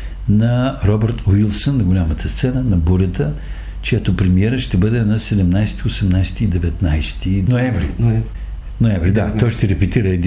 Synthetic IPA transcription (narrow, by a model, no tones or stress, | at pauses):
nɐɾɔbɛɾt̪oilˠsənːɐɡolʲamət̪ʰəst̪sɛnənɐbuɾət̪ə | t͡ʃijat̪opɾɛmiɛɾəʃt̪ɛbɤd̪ɛnɐsɛd̪ɛmnajsɛ̥t̪iosɛmnajsɛ̥t̪iːd̪ɛvɛt̪najst̪inoɛvɾḭ | noɛ̃vɾid̪at̪ɔjʃt̪ɛɾɛpɛt̪iɾəɛd̪i